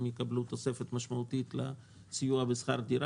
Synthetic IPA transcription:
mjekablut̪osefet̪maʃmaut̪it̪la | sijuabesχaɾd̪iɾ

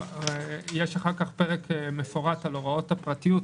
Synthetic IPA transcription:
jeʃaχaʁkaχpeʁekme̞fo̞ʁatalo̞ʁao̞thapʁatijut

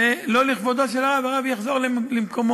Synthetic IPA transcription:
eloliχvod̪aʃ̬elaʁavaʁavjaχzo̞ʁlelimko̞mo

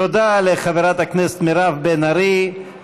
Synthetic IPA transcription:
od̪aleχaveɾat̪hakneset̪meɾavbenaɾi

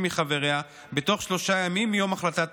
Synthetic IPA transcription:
miχaveʁea | be̞to̞χʃlo̞ʃajamimjo̞maχlat̪at

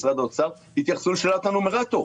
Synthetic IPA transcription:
sʁad̪ot͡saʁ | bit̪jaχsulʃelat̪anumeʁat̪o

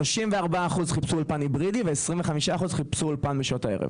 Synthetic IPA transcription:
oʃimveaʁbaːχuzχipsuulpanibʁidiveesʁiɱveχamiʃaːχuzχipsuulpanbiʃotaeʁḛv

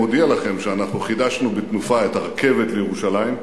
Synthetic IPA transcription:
odialaχe̞mʃeanaχnuχidaʃnubet̪nufaetaʁakʰe̞ve̞tlejeʁuʃalajim

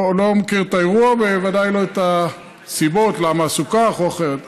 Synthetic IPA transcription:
lomekiʁt̪aeʁuavbevadajlo̞et̪a | sibo̞tlamaːsukaχoaχeʁet̪

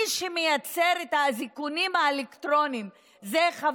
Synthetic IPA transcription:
ʃemejat͡seʁet̪hazikunimaelekt̪ʁo̞nim | zeχav

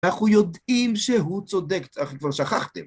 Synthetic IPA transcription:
naχujod̪imʃeɦut͡sod̪ekaχkvaʁʃaχa̰χt̪em

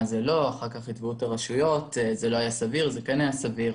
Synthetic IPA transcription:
zelo̞aχaʁkaχitvutaʁaʃujo̞tzelo̞ajasaviʁzekɛnajasaviʁ

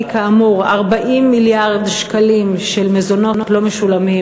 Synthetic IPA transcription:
kaːmuʁaʁbaʔimːiljaʁd̪ʃkalimʃelmezo̞no̞notlomeʃulami

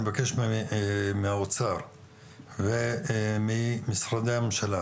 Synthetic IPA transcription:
evakeʃm | meaot͡saʁ | vemimisɾad̪eamemʃala

